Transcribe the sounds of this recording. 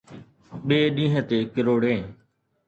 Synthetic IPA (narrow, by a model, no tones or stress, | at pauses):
ɓeːɗĩːɦə̃t̪eːkəɾoːɽẽː